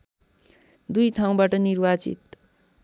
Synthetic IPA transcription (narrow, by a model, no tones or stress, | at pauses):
d̪ujt̪ʰaw̃baʈʌnirbat͡sḭt̪